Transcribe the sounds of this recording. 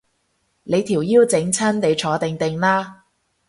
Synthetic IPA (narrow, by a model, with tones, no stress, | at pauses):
le˨˧jt̪ʰiː˨˩wjiː˥wt͡sɪ˨˥ŋt͡sʰɐ˥nne˨˧jt͡ʃʰɔː˨˥t̪ɪ˨ŋt̪ɪ˨˩ŋlaː˥